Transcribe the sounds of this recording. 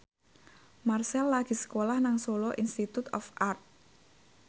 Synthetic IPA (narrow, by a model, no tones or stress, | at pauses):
marsɛlːaɡ̥i̤sə̥kolahnaŋsoloʔinst̪it̪ut̪ɔ̰fʔart̪̚